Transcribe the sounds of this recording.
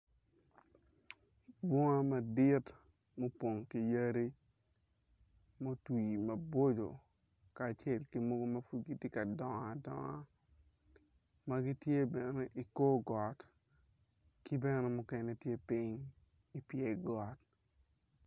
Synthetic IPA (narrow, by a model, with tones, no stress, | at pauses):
bɔ˦ŋa˦ma˨dɪ˦t | mo˦pwo˨ŋki˨jə˦ɾi˦ | mo˦twi˨mɐ˨bwo˦d͡ʒo̰˨ | kaː˨t͡ʃɛ˦˨lkɪ˦mo˦ɡo˦mɐ˦fu˦ɡi˦te˦ka˨dɔ˨ŋa˨dɔ̰˨ŋa˦ | ma˦ɡɪ˦tje˦bɛ˨nɛ˦ʔi˨ko˦ɡɔ˨t | kɪ˦bɛ˦nɛ˦mʊ˦kɛ˨ne˦tje˦pi˦ɲ | i˦pje˦ɡɔ˨t̚